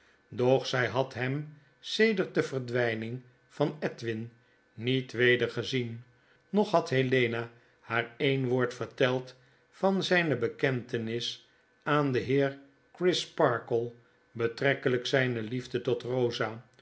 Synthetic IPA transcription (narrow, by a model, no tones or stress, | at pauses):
dɔχsɛjɦɑtɦɛm | sejdəɹt̚dəvəɹdʋɛjnɪŋ | fɑnɛtʋɪnː | itʋejdəɹχəzin | nɔχɦɑtɦelejna | haːɹejnʋoːɹtfəɹtɛlˠt | fɑnzɛjnəbəkɛntənɪs | aːndəɦɪːɹ | krɪspɑɹkəlˠ | bətrɛkələksɛjnəlivdətɔtrowza